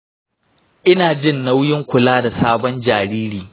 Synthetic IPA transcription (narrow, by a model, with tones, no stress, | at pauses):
ʔɪ˦naː˨d͡ʒɪ˦nːa˦wjɪ˦ŋkʷʊ˨laː˦da˨saː˦bɔ˦nd͡ʒaː˨ɽiː˦ɾiː˨